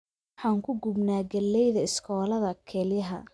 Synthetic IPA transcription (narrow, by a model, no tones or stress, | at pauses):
wħɑːŋkʰʊɡʊbnaːɡɐlːɛjðɐɪskʰɔːlɐðɐkʰɛːljɐɦɐ̰